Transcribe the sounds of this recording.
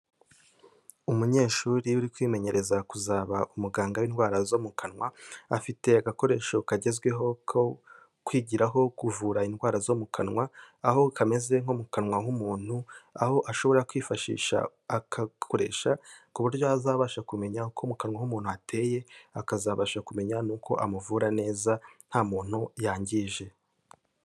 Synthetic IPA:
umuɲe̞ːʃuːɾiuɾikwiːme̞ɲe̞ɾʔe̞zakuzaβaʔumuɡaːŋɡawinɡwaːɾazomukanŋwaːfite̞aɡako̞ɾe̞ːʃo̞kaɟe̞zɡwe̞ɦo̞kʰo | kwiːɟiɾaɦo̞kuvuːɾainɡwaːɾazo̞mukʰanwaː | ɦo̞kame̞ze̞ŋomukanwahumuːn̥hua̰ho̞ʔaʃo̞βo̞ɾakwiːfaʃḭːʃa̰ | akʰakʰo̞ɾe̞̰ːʃakuβuɾjo̞azaːβaʃakume̞ɲaukʰomukanwahumuːn̥huatʰe̞ːje̞akazaβaʃakume̞ɲanuːkʰo̞ʔamuvuɾane̞ːzan̥haːmuːn̥hujaːɲɟiːʒe̞

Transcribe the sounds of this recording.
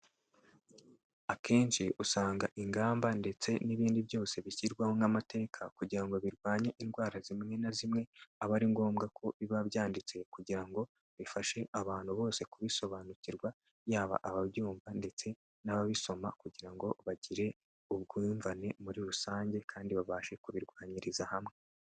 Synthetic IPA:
ake̞ːnʃiʔusaːŋɡaʔiŋɡaːmbande̞t͡se̞niβiːndiβjo̞ːse̞βiçiɾɡwaho̞ŋamate̞ːkʰakuɟiɾaŋɡo̞βiɾɡwaːɲeʔinɡwaːɾazimŋe̞nazimŋe̞aβaɾiŋɡo̞ːmɡakʰo̞βiβaβjaːndit͡se̞kuɟiɾaŋɡo̞ | βifaʃe̞ʔaβaːn̥huβo̞ːse̞kuβiso̞βanuciɾɡwa | jaːβa̰ʔaβaβjuːɱvande̞t͡se̞ | naβaβiso̞makuɟiɾaŋɡo̞βaɟiɾe̞ | uβ̚ɡiɱvane̞muɾiɾusaːɲɟe̞kʰaːndiβaβaːʃe̞kuβiɾɡwaːɲiɾizahamŋe̞

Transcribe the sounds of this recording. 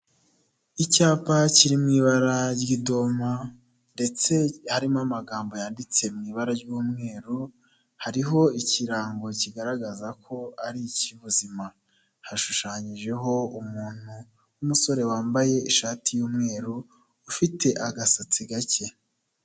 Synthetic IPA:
icaːpaciɾimŋiːβaɾaɾɟido̞ma | nde̞t͡se̞haɾimamaɡaːmbo̞jaːndit͡se̞mŋiːβaɾaɾɟuːmŋe̞ːɾu | haɾiɦo̞iciɾaːŋɡo̞ciɡaɾaɡazakʰo̞aɾiciβuzima | haʃuʃaːɲiʒe̞ɦo̞umuːn̥hu | umuso̞ɾe̞waːmbaje̞iʃaːtijuːmŋe̞ːɾuː | fitʰe̞ʔaɡasat͡siɡace̞

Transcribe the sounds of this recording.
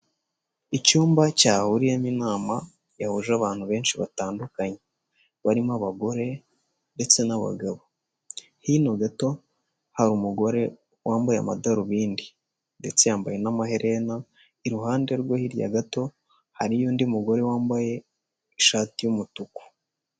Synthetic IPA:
icuːmbacaːhuɾijaminaːma | jahuʒaβaːn̥huβe̞ːnʃiβa̰taːndukaɲe | βaɾimaβaɡo̞ɾe̞ | nde̞t͡se̞naβa̰ɡaβo̞ | hinoɡato̞ | haɾumuɡo̞ɾe̞ | wʔaːmbajea̰ma̰daɾuβiːndi | nde̞t͡sejaːmbaje̞namaɦe̞ɾʔe̞na | iɾuɦaːndeɾɡwohiɾja̰ɡato̞ | haɾijoːndiumuɡo̞ɾe̞waːmbaje̞ː | ʃaːtijumutuku̥

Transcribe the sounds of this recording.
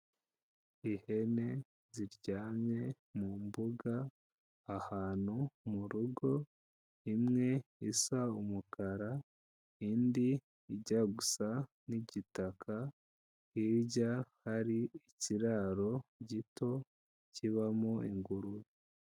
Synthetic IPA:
ihe̞ne̞ | ziɾɟaːmɲe̞ | mumbuɡaː | haːnhumuɾuɡo̞ | imŋe̞isaumukʰaɾa | indiː | ɟaɡusa | niɟitakʰa | hiːɾɟahaɾiiciɾaːɾo̞ɟito̞ | ciβamoiŋɡuɾuji

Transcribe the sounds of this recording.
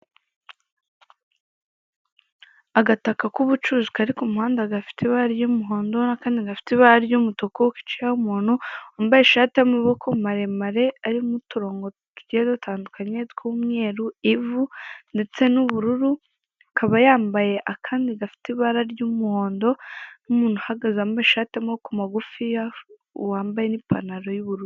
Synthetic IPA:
aɡatakakuβut͡ʃuzu̥kaɾikumuhaːndaɡafi̥teβaɾaɾjumuɦo̞ːndo̞nakaːndiɡafi̥tiβaɾaɾjumutokoki̥t͡ʃiɾahumuːn̥huombajeʃaːtijamaβo̞kʰomaɾe̞maɾe̞aɾimutuɾo̞ːŋɡo̞ | kiɟiedotʰaːndukaɲe̞tkumŋe̞ːɾuivunde̞t͡se̞nuβuɾuɾu | ukʰaβajaːmbaje̞ʔakʰaːndiɡafi̥tiβaɾaɾjumuho̞ːndo̞numuːn̥uhaɡazambajeʃaːteamaβokomaɡufija | waːmbajenipa̰naɾo̞juβuɾuɾu

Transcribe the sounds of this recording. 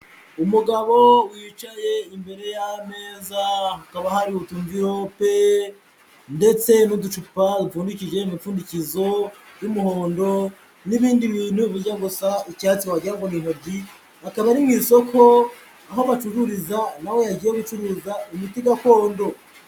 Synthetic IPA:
umuɡaβo̞wiːt͡ʃaje̞imbe̞ɾe̞jame̞ːzahakaβahaɾiutuɱviɾo̞pe̞ | nde̞t͡se̞nudut͡ʃupadufuːndicid͡ʒe̞imifuːndicizo̞jumuho̞ːndo̞ | niβiːndiβiːn̥huβuɾɟaɡosaicaːt͡siwaɟiaŋɡoniːnoɾɟi | akaβaɾimŋiːso̞kʰo̞ | aɦo̞βat͡ʃuhuɾizanawe̞jaɡɟiːjeɡut͡ʃuɾuzaimitiɡako̞ːndo̞

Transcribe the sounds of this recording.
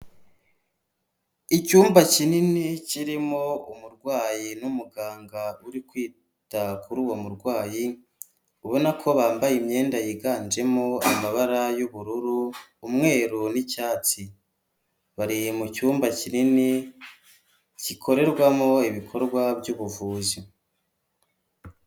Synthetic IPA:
icuːmbacininiciɾimoumuɾɡwaːjinumuɡaːŋɡauɾikwiː | takuɾuːwo̞muɾɡwaːji | uβo̞nakʰo̞βaːmbajimɲe̞ːndajiɡaːnd͡ʒe̞moamaβaɾajuβuɾuɾuːmŋe̞ːɾunicaːt͡si | βaɾimucuːmbacinini | cikʰo̞ɾe̞ɾɡwamo̞iβikʰo̞ɾɡwabjuːβuvuːzi

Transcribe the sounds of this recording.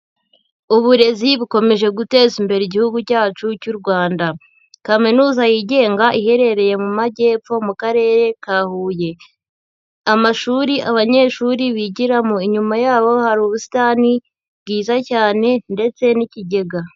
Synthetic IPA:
uβuɾe̞ziβuko̞me̞ʒe̞ɡute̞ːzimbe̞ɾeiɟihuɡucaːt͡ʃucuɾɡwaːnda | kaminuːzajiːɟe̞ːŋɡaʔihe̞ɾe̞ɾe̞je̞mumaɟe̞ːfo̞mukaɾe̞ːɾe̞kaːhuːje̞ | amaʃuɾiʔaβaɲe̞ːʃuːɾiβiɟiɾamoiɲumajaːβo̞haɾuːβusi̥taːni | βɡiːzacaːne̞nde̞t͡se̞niciɟe̞ɡa

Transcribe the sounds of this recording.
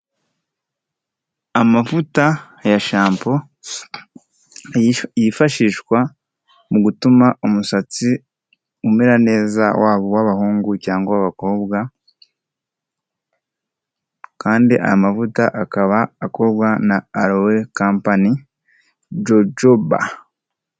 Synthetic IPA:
amafuta | jaʃaːmpo̞ | jifaʃiːʃkwa | muɡutumaʔumusat͡si | umeɾane̞ːza̰wʔaːβowaβahuːŋɡucaːŋɡaaβako̞ːβɡa | kaːndiʔa̰amafutaʔakaβaːko̞ːbɡanaːɾowekaːmpani | d͡ʒod͡ʒoba̰

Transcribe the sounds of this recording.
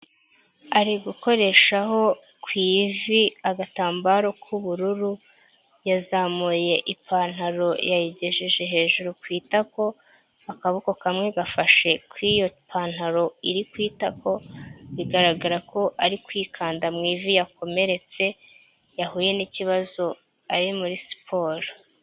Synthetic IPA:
aɾiɡuko̞ɾe̞ʃaho̞ | kwiːviaɡataːmbaɾo̞kʰuβuɾuɾu | jazamuje̞ʔipaːn̥haɾo̞jajiɟe̞ʒeʒe̞ɦe̞ːʒuɾukwiːtako̞ | akaβukokamŋe̞ɡafaʃe̞kwijo̞pʰaːn̥haɾo̞iɾikwiːtako̞βiɡaɾaɡaɾakʰo̞ʔaɾikwiːkʰaːndamŋiːvijako̞me̞ɾe̞t͡se̞ | jaɦuje̞niciβazo̞ | aɾimuɾisi̥pʰo̞ːɾo

